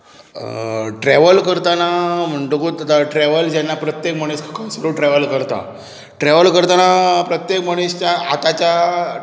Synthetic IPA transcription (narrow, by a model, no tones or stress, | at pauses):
ʈɾɛʋəlkəɾt̪anam̤əɳʈukuːt̪at̪aʈɾɛʋəld͡ʑɛnːapɾət̪jekməɽ̃eskʰə̥kãsəɾuʈɾɛʋəlkəɾt̪a̰ | ʈɾɛʋəlkəɾt̪anapɾət̪jekməɽ̃iɕt͡ɕjaːt̪at͡ɕja